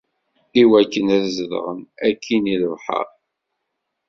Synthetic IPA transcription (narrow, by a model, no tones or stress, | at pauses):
iwækːənæðzəðə̰ʁə̰nækʰːiniləvħə̰ɾˤ